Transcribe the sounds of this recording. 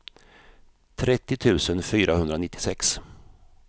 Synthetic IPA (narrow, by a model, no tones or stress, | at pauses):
t̪ʰɾɛt̪ːɪt̪ʰʉ̟ːsənfyːɾahɵnd̪ɾanɪt̪ːɪ̥sɛks